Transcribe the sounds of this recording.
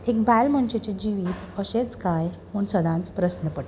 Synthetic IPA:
ek̚bælm̤əɳt͡ɕet͡ɕed͡ʑiʋiːt̪əɕet͡skajm̤uɳsəd̪ʱãnt͡spɾəsnəpəʈ

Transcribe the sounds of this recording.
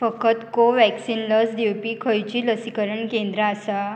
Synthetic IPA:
fəkət̪koʋæksinləsd̪ewpiːkʰəjt͡ɕiːləsikəɾəɳkẽnd̪ɾəːsa

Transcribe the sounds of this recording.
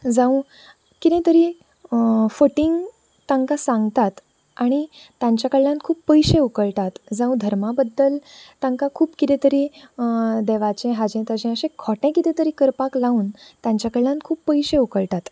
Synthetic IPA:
d͡zãũ | kit̪ɛ̃t̪əɾiː | fəʈiŋɡ | t̪ãŋkasãŋɡt̪at̪ | aɽ̃i | t̪jãɲt͡ɕjakəɭjan̚kʰuːpːəjɕẽukəɭʈat̪d͡zãũd̪ʱəɾmabəd̪ːəlt̪ãŋkakʰuːpkit̪ɛ̃t̪əɾi | d̪ɛʋat͡ɕẽɦad͡ʑẽt̪ad͡ʑɛ̃əɕẽkʰɔʈɛ̃kit̪ɛ̃t̪əɾiːkəɾpaklauːnt̪jãɲt͡ɕjakəɭljãnkʰuːpːəjɕẽukəɭʈ̪at̪

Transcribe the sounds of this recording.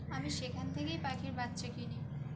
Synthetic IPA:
amiʃekʰant̪ʰekejpakʰiɾbat̪ːɕekini

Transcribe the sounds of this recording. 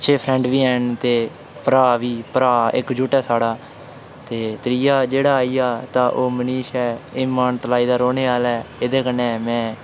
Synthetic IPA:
əʃʰeːpʰɾɛ̃ːɳɖʋiːɛːnt̪eː | pəɾaːʋiːpəɾaːɪ̰kd͡ʒuʈɛːsaːɽaː | t̪eːt̪ɾiːaːd͡ʒeːɽaːiːaːt̪ãːʔoːməniːʃɛːɪːmaːnt̪laːiːd̪aːɾoːneːaːlɛːɪd̪eːkənːẽːmɛ̃ː

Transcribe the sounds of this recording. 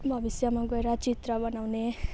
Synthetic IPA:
bʱʌbisjamãɡʌeɾat͡ʃit̪ɾʌbʌnawne

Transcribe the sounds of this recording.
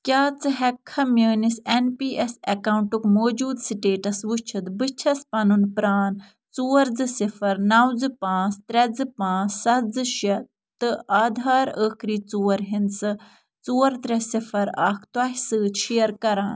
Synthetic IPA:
kʲjaːt͡sɨɦɛkʰːɐmjəːnisenpiːesɐkawɳʈukmoːd͡ʒuːd̪siʈeːʈɐsʋut͡ʃʰɐt̪bɨt͡ʃʰɐspɐnunpɾaːn | t͡suːɐɾd͡zɨsifɐɾnɐwd͡zɨpãːst̪ɾʲɛd͡zɨpãːssɐtd͡zɨʃɐ | t̪ɨʔaːd̪ʱaːɾəːkɾiːt͡suːɐɾɦinsɨ | t͡suːɐɾt̪ɾʲɛsifɐɾa̰ːkʰt̪wɐɦisɨːt͡ʃʰijɐɾkɐɾaːn

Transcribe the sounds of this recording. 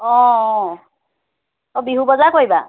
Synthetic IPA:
ɔ̃ | ɔbiɦubɔzakoɦjba

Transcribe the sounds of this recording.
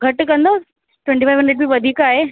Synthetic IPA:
ɡʱɐʈkɐ̃nd̪o | ʈwẽɳʈifʰajʋɦə̃ɳɖɾeʈbiːʋəd̪ʱiːkaːɦe

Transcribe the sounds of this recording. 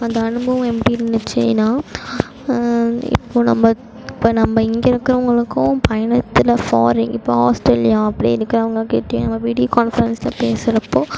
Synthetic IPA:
ɐnd̪ɐɐɳɯbɐʋɐ̃ɛpːɐɽiɪɾɯnːɯt͡ʃːɪ̰naː | ɪ̰pːoːnɐ̰mːɐ | ɪpːoːnɐmːɐɪŋɡeɪɾɯkːɪɾɐʊŋɡɐɭɯkːʊ̃pʰɐjɐɳɐt̪ːɪlɐfaːɾɪ̃ŋɪpːoːhaːsʈɛljãɐpːɐɽḭɪɾɯkːɪɾɐɐʋɐŋɡɐkeːʈːẽnɐmːɐʋiːɽɪjokaːnfɐɾɛnsɪlɐ̰peːsɪɾɐpːoː

